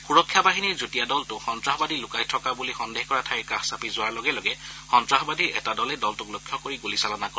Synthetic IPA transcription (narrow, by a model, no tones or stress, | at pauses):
xuɹɔkʰːjabaɦiniɹzutijadɔltʊxɔntɹaɦɔbadilʊkajtʰɔkabulixɔndehkɔɹatʰajkaxsapizʊwaɹlɔɡɛlɔɡɛxɔntɹaɦɔbadiɹɛ̰tadɔlɛdɔltʊklokʰːjɔkoɹiɡolisalɔnakɔ